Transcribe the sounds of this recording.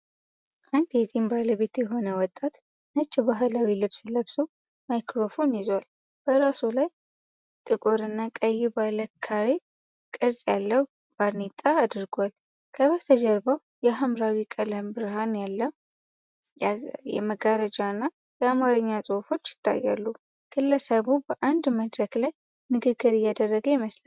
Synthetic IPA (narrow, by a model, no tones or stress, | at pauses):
ʔand̪jɛt̪ʼimbaləβe̞t̪jɛɦo̞nəwɔt̪ʼːat̪ | nət͡ʃːɪbaɦɨlawilɨβsləβsow | majkɾo̞fo̞njɪzwal | b̥əɾasulaj | t̪ʼɨkʼo̞ɾɨnːakʼəjɪbaləkʰːaɾe | kʼɨɾsʼjalːəw | b̥aɾnit̪ʼaːd̪ɨɾɡʷal | kʰəβət̪ʰəd͡ʒəɾbəw | jɛɦamɾawikʼələmbɨɾɦanjalːə | jɛ̰məɡaɾəd͡ʒaɨnːa | jɛamaɾɨɲːasʼofo̞t͡ʃːjɪ̥t̪ʰːa̰jːa̰lːu | kʰɨlːəsəβubəʔand̪məd̪ɾəklaj | nɨɡɨɡːɨɾɨjːad̪ərːəɡəjɪməsl